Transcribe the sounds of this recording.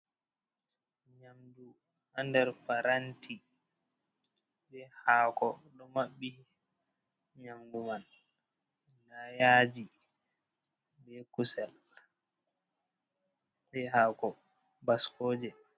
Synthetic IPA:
ɲamdu | handɛɾfaɾantʰi | bɛhaːkɔɗɔmaɓːi | ɲamɡuman | lajaːd͡ʒi | bɛkusɛl | ɓɛhaːkɔ | baskoːd͡ʒɛ

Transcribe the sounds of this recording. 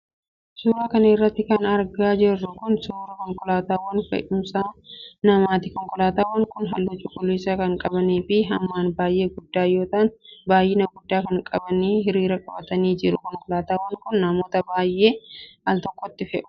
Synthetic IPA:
suːɾaːkɐnɪrːɐt̪ːɪkɐnɐɾɡaːd͡ʒɛrːʊkʊnsʊːɾɐkɔŋkʼɔlaːt̪aːwɐnfɛ̰ᶑʊmsaːnnɐmaːt̪ɪkɔŋkʼɔlaːt̪aːwɐŋkʊnɦɐ̰lːɐt͡ʃʼːʊkʊliːsɐkɐŋkʼɐbɐniːfɪɦɐmːaːnbaːjʔe̞ːɡʊd̪ːaːjo̞ːt̪aːnbaːjːɪnɐɡʊd̪ːaːkɐŋkʼɐbɐniːɦɪɾiːɾɐkʼɐbɐt̪ɐniːd͡ʒɪɾʊkɔŋkʼɔlaːt̪aːwɐŋkʊnːɐmo̞ːt̪ɐbaːjʔe̞ːɐlt̪ɔkʼːɔt̪ːɪfɛʔʊ̥

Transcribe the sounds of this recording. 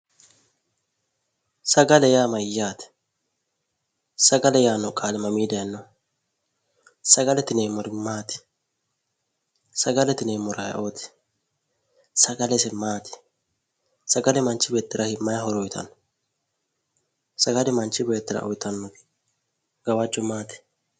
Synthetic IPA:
sɐɡɐlɛjaːmɐjːaːt̪ɪ̥ | sɐɡɐlɛjaːnːɔkʼaːlɛmɐmiːd̪ɐjɐnːɔ | sɐɡɐlɛt̪ɪneːmɔɾɪmaːt̪ɪ̥ | sɐɡɐlɛt̪ɪneːmɔɾɐjɐ̰ʔoːt̪ɪ̥ | sɐɡɐlɛsɛmaːt̪ɪ̥ | sɐɡɐlɛmɐnt͡ʃːɪbeːt̪ːɪɾʔɐhɪmːɐjɐhɔɾɔjt̪ɐ̰nɔ | sɐɡɐlɛmɐnt͡ʃːɪbeːt̪ːɪɾɐ̰ʔɔ̰jt̪ɐnːɔɡɪ̥ | ɡ̥ɐwɐd͡ʒːɔmaːt̪ɪ̥

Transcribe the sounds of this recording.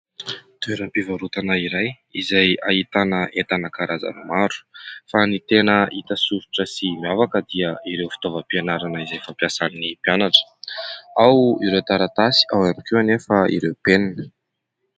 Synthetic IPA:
t̪ueɾampivaɾut̪anaiɾaj | izajait̪anəʔet̪anəkaɾʔaza̰nimaɾu̥fanit̪enəʔit̪əsuɾu̥ʈ͡ʂəsimiavakəd̪iəiɾewfi̥t̪ovəpienaɾanəizajfampjasannipianaʈ͡ʂə̥ | awiɾewt̪aɾat̪asi̥ʔawamikeanefəḭɾewpenan

